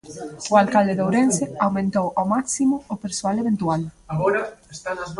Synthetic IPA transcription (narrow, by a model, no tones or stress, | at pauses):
ʊalkald̪eðowɾensɪawmẽnt̪owʔawmaksimʊopeɾsoaleβẽnt̪ualaɣɔɾɐest̪anɐz